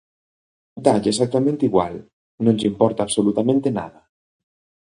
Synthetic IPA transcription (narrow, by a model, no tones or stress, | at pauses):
d̪aʎesak̚t̪amẽnt̪iɣwa̰l | nõnzimpɔɾt̪aːβsolut̪amẽnt̪ena̰ða